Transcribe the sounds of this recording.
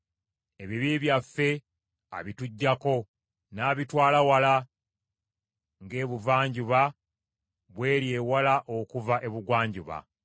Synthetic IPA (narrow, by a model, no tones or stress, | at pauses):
e̞βiβiβjafːe̞ | a̰βituɟːako̞ | naːβitwaːlawala | ŋɡe̞ːβuvaːɲɟuβa | βwe̞ːɾje̞ːwalaʔokuvaʔe̞βuɡwaːɲɟuβa̰